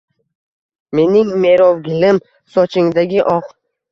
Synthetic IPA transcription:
me̞nɪŋme̞ɾɒwɡʲɪlɪm | sɒt͡ʃʰɪŋd̪aɡʲɪʔɒq

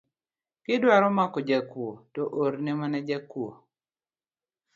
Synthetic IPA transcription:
kɪdwaɾɔmakɔd͡ʒakwotɔʔoɾnemanɛd͡ʒakwo

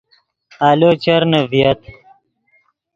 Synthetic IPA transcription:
aːloːt͡ɕɐɾnəvijɐt̪

